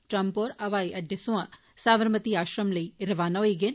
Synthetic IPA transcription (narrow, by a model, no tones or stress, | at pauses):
ʈɾɐmpoːɾɐʋaːiʔɐɖʱesũã | saːʋəɾmət̪iaːʃɾɐmlɐiɾɐʋaːnaːiɡen